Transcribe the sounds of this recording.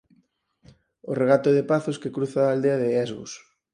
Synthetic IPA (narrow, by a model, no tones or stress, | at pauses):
oreɣ̞at̪oðepaθoskekɾuθaːld̪eɐðɪɛzɣo̰s